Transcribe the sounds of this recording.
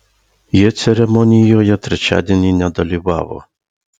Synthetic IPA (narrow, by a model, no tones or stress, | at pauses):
jɛt̪sʲɛɾɛmɔnʲijɔjɐt̪ɾɪt͡ʃa̰d̪ʲɛnʲinʲad̪ɔlʲɪwɑ̰wɔ̰